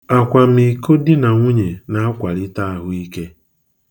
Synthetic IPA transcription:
a˨kʷa˨m̩i˨ko˦dɪ˦na˨ŋʷʊ˦ɲe˨na˦a˦kʷa˨ɾɪ˦ta˦a˦ɦʊ˨i˦ke˦

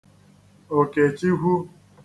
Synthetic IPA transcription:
o˨ke˨t͡ʃi˦ɦʷu˦

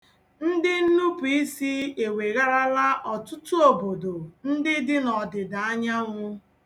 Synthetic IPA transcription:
n̩˦dɪ˦n̩˦nu˦pu˨i˦si˦e˨we˨ɣa˦ɾa˦la˦ʔɔ˨tʊ˦tu˦o˨bo˨do˨n̩˦dɪ˦dɪ˦nɔ˨dɪ˨da˨a˦ɲa˦ŋʷʊ˦

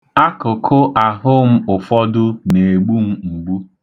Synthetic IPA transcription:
a˦kʊ˨kʰʊ˦ʔa˨ɦʊ˦m̩˦ʊ˨fɔ˦dʊ˦ne˨ɡ͡bu˦m̩˦ŋ͡m̩˨ɡ͡bu˦

